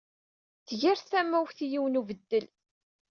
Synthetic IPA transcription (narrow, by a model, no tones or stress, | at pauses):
θʝæɾθæmːæwçθijiwənuvəd̪ːəl